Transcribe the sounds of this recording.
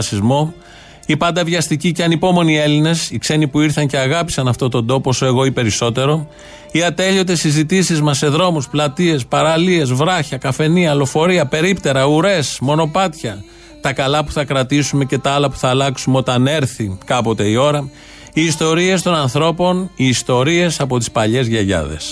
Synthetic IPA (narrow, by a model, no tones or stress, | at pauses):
sizmo̞ | ipɐnd̪ɐvʝɐst̪iciceɐnipo̞mo̞nie̞line̞sikse̞nipuiɾθɐɲce̞ɐɣɐpi̥sɐnɐft̪o̞t̪o̞nd̪o̞posoe̞ɣo̞ipe̞ɾiso̞t̪e̞ɾo̞ | iɐt̪e̞ʎo̞t̪e̞sizit̪isizmɐsːe̞ðɾo̞musplɐt̪ie̞spɐɾɐlie̞zvɾɐçɐkɐfe̞niɐlo̞fo̞ɾiɐpe̞ɾipt̪e̞ɾɐuɾe̞smo̞no̞pɐt̪çɐ | t̪ɐkɐlɐpu̥θɐkɾɐt̪isume̞ce̞t̪ɐɐlɐpu̥θɐːlɐksumeo̞t̪ɐne̞ɾθikɐpo̞t̪e̞io̞ɾɐ | iːst̪o̞ɾie̞st̪o̞nɐnθɾo̞po̞niːst̪o̞ɾie̞sɐpo̞t̪i̥spɐʎe̞zʝɐʝɐ̰ðe̞̰s